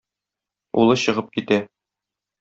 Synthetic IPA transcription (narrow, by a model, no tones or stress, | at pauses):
ṵlˠɤɕɤ̆ʁɤp̚kit̪æ